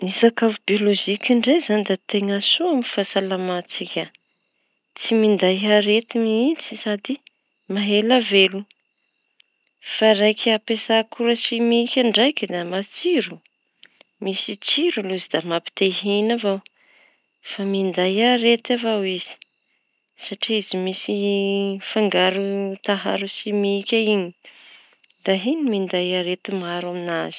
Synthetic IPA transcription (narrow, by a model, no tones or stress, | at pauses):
nisakavibioloʒikʲiɳɖ͡ʐezanid̪at̪eŋasuamifasalamat͡sikʲa | t͡simind̪ajaɾet̪imiit͡si̥sad̪i | maɦelavelu | faɾajkʰʲapesakuɾasimikʲaɳɖ͡ʐajkʲəd̪amat͡siɾu | misit͡siɾuluzid̪amapi̥t̪eɦinavaw | famind̪ajaɾet̪avawiz̥i̥ | saʈ͡ʂiizimisi | faŋɡaɾut̪aɦaɾusimikʲaiɲi̥ | d̪̥aɦinimind̪ajaɾet̪imaɾaminazi̥